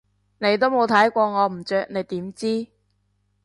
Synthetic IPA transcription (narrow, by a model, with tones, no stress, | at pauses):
ne˨˧jt̪o˥wmo˨˧wt̪ʰɐ˨˥jkʷɔː˧ŋɔː˨˧m̩˨˩t͡ʃœː˧k̚ne˨˧jt̪iː˨˥mt͡siː˥